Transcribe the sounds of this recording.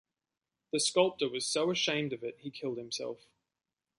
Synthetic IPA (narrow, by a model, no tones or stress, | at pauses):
ðɨskʌlˠp̚təwʌz̥soʊəʃẽɪ̃mdʌvɪt̚hikʰɪlˠd̚hɨ̃msɛ̰lˠf